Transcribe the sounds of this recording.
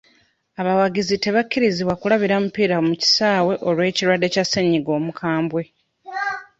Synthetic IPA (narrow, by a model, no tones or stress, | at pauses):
aβawaɡizite̞βakːiɾiziβwakulaβiɾamupiːɾamuci̥saːwe̞ʔo̞lwe̞ːciɾwadːe̞casːeɲːiɡo̞ːmukʰaːmbwe̞